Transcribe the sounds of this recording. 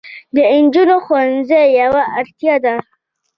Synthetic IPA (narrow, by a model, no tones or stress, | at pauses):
d̪əɪnd͡ʒunoxowanzəjjawaʔaɾt̪jɑd̪a